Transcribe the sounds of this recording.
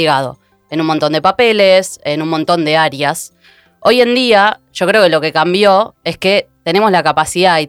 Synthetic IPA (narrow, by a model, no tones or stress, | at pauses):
eɣað̞o̰ | enunmont̪o̞nd̪epape̞lesenunmont̪o̞nd̪e̞aɾjas | o̞je̞nd̪iaʃo̞kɾe̞o̞ke̞lo̞ke̞kambjo̞e̞ske̞t̪ene̞mo̞slakapasiðai